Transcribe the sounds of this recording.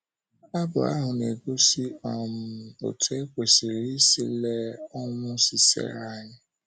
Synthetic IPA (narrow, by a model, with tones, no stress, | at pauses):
a˦bɔ̰˨a̰˦ɦʊ̃˨ne˨ɡo˦si˦ɔ˦˨m̩˨o̰˨tʰe˦k͡pe˨si˨ɾi˦sḭ˧lɛ˦ɔ˦wʊ̃˦si˨sɛ̰˨ɾa˦˨˦ɲɪ̃˦